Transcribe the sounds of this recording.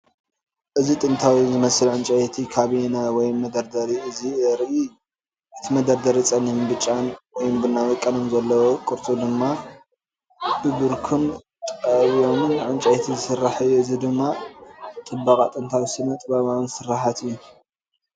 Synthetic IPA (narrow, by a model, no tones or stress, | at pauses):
ʔɨzit̪ʼɨnt̪ʰawizɨmɐsɨlʕɨnt͡ʃʼajet̪ʰikʰaβinawɔjmːɐd̪ɐɾd̪ɐɾiɨziɾʔi | ʔɨt̪ʰimɐd̪ɐɾd̪ɐɾit͡sʼɐnːimbɨt͡ʃʼːanwɔjmbɨnːawɔkʼːɐnomzɐlːɐwokʼuɾt͡sʼud̪ɨmːa | bɨbɨɾkʰun | t̪ʼɐβijomɨnʕɨnt͡ʃʼɐjet̪ʰizɨsɨrːaħajuɨzid̪ɨmːa | t̪ʼɨbakʼat̪ʼɨnt̪ʰawisɨnɐt̪ʼbaβawnsɨrːaħat̪ɨjːu